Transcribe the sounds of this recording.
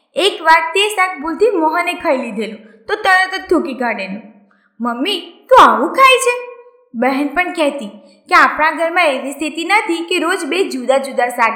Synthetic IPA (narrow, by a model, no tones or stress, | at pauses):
ekʋaɾt̪esak̚ʰbuld̪imɔɦənekʰəjlid̪ʱelũ | t̪ot̪əɾək̪ət̪̚t̪ʰːukiɡʱaɽenũ | məmːit̪ũaʋũkʰajt͡ʃʰe | bɛɦɛnpəɳkɛɦt̪ĩ | keapɽ̃ãɡʱəɾmãeʋist̪ʰit̪inət̪ʰikeɾod͡ʒbed͡ʒud̪ad͡ʒud̪asa